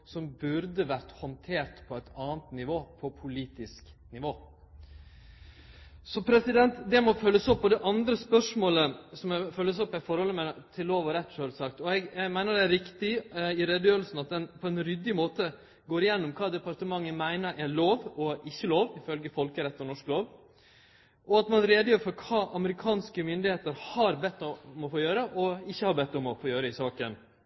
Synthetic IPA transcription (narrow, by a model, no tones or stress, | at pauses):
sɔmbʉɾd̪əʋæɾt̪hɔnt̪ʰeːɾʈ̪pʰɔæt̪ɑːnt̪nɪʋoːpʰɔpʰʊliːt̪ɪsknɪʋoː | sɔpʰɾɛsɪd̪ɛnt̪d̪ɛmɔfœlːəsɔpːɔd̪ɛʔɑnd̪ɾəspœʂmoːləsɔmɛfœlːəsɔpːæfɔɾhɔlːəmɛt̪ʰɪlːoːʋɔɾɛt̪ːʂøːlsɑkt̪ɔɛɡɛɡmæɪnəɖɛæɾɪkt̪ɪɪɾɛd̪jøːɾəlsn̩ɑt̪̚d̪ɛnpʰɔɛnɾʏd̪ːɪmoːt̪ə | ɡoːɾɪjɛnːɔmkʰɑːd̪ɛpɑɾt̪əmɑŋːəmæɪnəɾʔæɭoːʋɔɪçːəloːʋɪfœlɡəfɔlkəɾɛt̪ːɔnɔʂkloːʋ | ʔɔɑt̪mɑnɾeːd̪əjøːɾfɔɾkʰɑːʔɑməɾɪkʰɑːnskəmʏnd̪ɪheːt̪əɾhɑɾbɛt̪ːɔmɔfoːjøːɾəʔɔɪçːəhɑɾbɛt̪ːɔmɔfoːjøːɾəɪsɑːkən